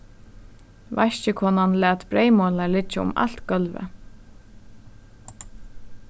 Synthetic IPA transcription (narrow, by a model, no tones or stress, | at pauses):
vaʃcəkʰɔːnanlæːt̪bɾejmoːlaɹlɪt͡ʃəʊ̰ma̰lt̪ɡœlʋə̰